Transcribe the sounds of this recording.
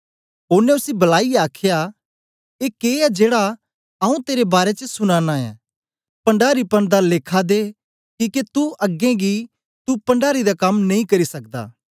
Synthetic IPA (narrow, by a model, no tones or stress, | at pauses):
oːnẽʊsibɐlaːijaːkʰja | eːkeːɛd͡ʒeːɽa | ɐũt̪eːɾebaːɾet͡ʃəsʊnaːnaɛ̰ː | pɐ̃ɳɖaːɾipɐɳ̃d̪aleːkʰad̪eː | kiːket̪uʔɐɡẽɡi | t̪upɐ̃ɳɖaːɾid̪akɐmnɐ̃ĩkɐɾisɐkd̪a̰ː